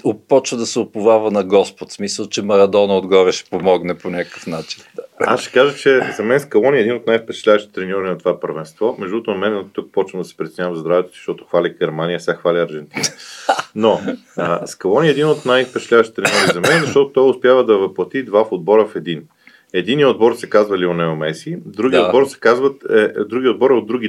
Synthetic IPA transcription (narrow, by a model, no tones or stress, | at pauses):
opɔt͡ʃvəd̪ɐsɛopʊvavɐnɐɡɔspot̪smisəlˠt͡ʃɛmɐɾɐd̪ɔnɐod̪ɡɔɾɛʃɛ̥pomɔɡnɛponʲakkəfnat͡ʃi̥nasʃɛ̥kaʒət͡ʃɛzɐmɛnskɐlˠɔnʲiɛd̪inot̪najfpɛt͡ʃɛ̥t̪lʲavəʃit̪ɛt̪ɾɛnʲɔɾinɐt̪ovapəɾvɛnst̪vɔmɛʒd̪uɾot̪ʊnɐmɛnt̪uk̚pɔt͡ʃvəmd̪ɐsɛ̥pɾit̪sɛnʲavɐmzd̪ɾavɛt̪ɛ̥si̥ʃt̪ɔt̪o̥xvalʲiɡʲɛɾmanijəsʲaxvalʲiɐɾʒɛnt̪inno | skɐlˠɔniɛd̪inot̪najfpɛt͡ʃɛt̪lʲavəʃt̪i̥t̪ɾɛnʲɔɾizɐmɛnɛzɐʃt̪ɔt̪ot̪ɔjʊspjavəd̪ɐvɐplˠɐt̪id̪vafod̪̚bɔɾəfɛd̪in | ɛd̪iniod̪̚bɔɾsɛkazvɐlionɛomɛsid̪ɾuɡʲiod̪bɔɾsɛ̥kazvət̪ɛd̪ɾuɡʲiod̪̚bɔɾɛod̪ɾuɡʲi